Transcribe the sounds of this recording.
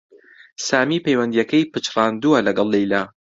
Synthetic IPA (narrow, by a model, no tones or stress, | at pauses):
saːmiːpejwɐnd̪ijɐkɐjpɨt͡ʃrˤɑːnd̪uɐlɐɡɐlˠːejlaː